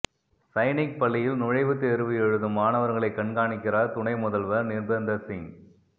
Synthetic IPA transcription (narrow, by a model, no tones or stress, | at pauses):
sɐɪnɪk̚pɐɭːɪjɪlnʊɻɐɪʋɯt̪ːeːɾɯʋɯjɛɻɯðɯmaːnɐʋɐɾŋɡɐɭɐɪkːɐɳɡaːɳɪkːɪraːɾt̪ʊɳɐɪmʊðɐlʋɐnɪɾbɐnd̪ɐsɪŋ